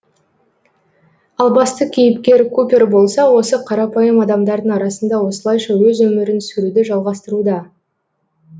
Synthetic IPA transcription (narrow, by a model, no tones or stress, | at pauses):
ɑlˠbɑst̪əkʲʰejɪpkʲe̞ɾkʰupʲerbo̞lˠsɑwo̞səqʰɑɾɑpɑjəmɑd̪ɑmd̪ɑɾd̪əɴɑɾɑsənd̪ɑwo̞səlˠɑjʃɑwɵzwɵmɪɾɪnsɵɾud̪ɪʒɑlˠʁɑst̪əɾud̪ɑ